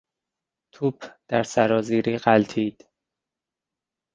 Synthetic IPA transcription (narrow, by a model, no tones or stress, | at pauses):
t̪ʰuːpʰd̪̥æɾsæɾɒːziːɾiːɢælt̪ʰiːd̪̥